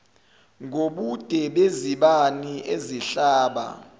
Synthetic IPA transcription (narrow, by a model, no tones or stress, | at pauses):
ŋoɓud̥ʱɛɓeziɓanieziɬaːɓa̰